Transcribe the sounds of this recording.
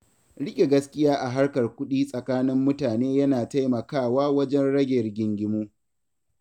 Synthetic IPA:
ɽɪ˦kʲʼe˨ɡɐ˦skʲɪ˦jaː˦ʔa˨ɦa˦rkɐ˨rkʷʊ˦ɗiː˦sʼɐ˨kaː˦nɪ˦mːʊ˦taː˨neː˦jɐ˦naː˨ta˦jmɐ˨kaː˦˨waː˦wɐ˦d͡ʒɛ˦nɽɐ˦ɡʲe˨rɡʲɪ˨ŋɡʲɪ˦moː˦

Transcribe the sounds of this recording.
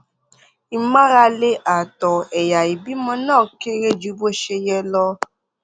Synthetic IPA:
i˧mã˦ɾa˧le˦ʔa˨tɔ˨ɛ˨ja˨i˨bi˨˦mɔ̃˧nãː˦˨ke˦ɾe˦d͡ʒu˨˦bo˦ʃe˧jɛ˧lɔ˧

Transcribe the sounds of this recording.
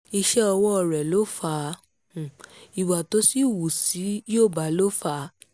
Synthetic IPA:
i˧ʃɛ˦ɔ˧wɔ˦ɔ˧ɾɛ˨lo˦fa˦˨ | i˨wa˨to˦si˦wu˨si˨˦joː˦˨ba˨˦lo˦fa˦˨˦

